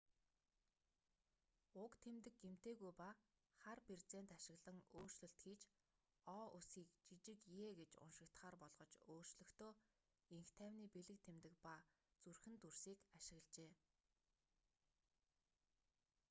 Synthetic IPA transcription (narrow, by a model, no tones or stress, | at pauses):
ʊkt̪ʰemt̪ɘ̆k̚ɡem̥t̪eːɣujpa | χarpert͡seːnt̪aʃɪ̆ɣɮə̆ŋoːr̥t͡ɕɮɵ̆ɬt̪xiːt͡ɕ | ɔːʔʊsiːkt͡ɕit͡ɕɪ̆kjeːɡet͡ɕʊ̰nʃɪ̆kt̪χaːrpɔɮʁɞ̆t͡ɕoːr̥t͡ɕɮɵ̆xt̪ʰoː | iŋxt̪ʰæːwniːpeɮɘ̆k̚t̪ʰemt̪ɘ̆k̚pa | t͡surxɘ̆nt̪ursiːkaʃɪ̆ɣɮt͡ɕeː